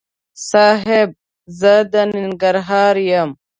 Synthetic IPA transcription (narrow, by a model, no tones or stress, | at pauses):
saːɦeb̚ | zɐd̪ɐniŋɡɐɾɦaːɾjɐm